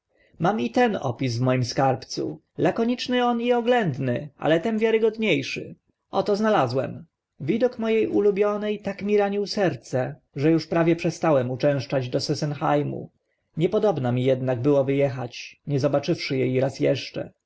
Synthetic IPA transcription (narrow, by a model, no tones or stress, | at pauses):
mamit̪ɛnɔ̰pʲisvmɔjimskaɾpt̪sṵ | lakɔɲit͡ʂnɘɔniɔɡlɛnd̪nɘʔa̰lɛt̪ɛmvʲjaɾɘɡɔd̪ɲejʂɘ̰ | ɔt̪ɔznalazwɛ̰m | vʲid̪ɔkmɔjejulubʲjɔnɛjt̪akmʲiɾaɲiwsɛɾt̪sɛ | ʐɛjuʂpɾavʲjɛpʂɛst̪awɛmut͡ʂɛ̃w̃ʂt͡ʂad͡ʑd̪ɔsɛsɛnxajmṵ | ɲɛpɔd̪ɔbnamʲijɛd̪naɡ̚bɘwɔvɘjɛxa̰t͡ɕɲɛzɔbat͡ʂɘfʂɘjɛjɾasjɛ̰ʂt͡ʂɛ̰